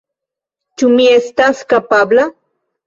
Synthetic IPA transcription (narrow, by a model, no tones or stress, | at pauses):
t͡ʃumiest̪askapabla